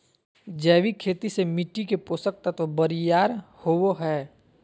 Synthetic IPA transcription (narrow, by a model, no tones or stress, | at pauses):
d͡ʒɛːʋikʰeːt̪isemɪʈːikepoːsək̚t̪ət̪ʋəbəɾijaːɾhowoɦɛː